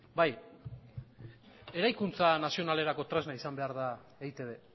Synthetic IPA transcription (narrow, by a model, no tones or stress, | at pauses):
baj | e̞ɾajkunt͡sanasio̞nale̞ɾako̞t̪ɾeznaisambe̞aɾð̞a | ejt̪e̞βe̞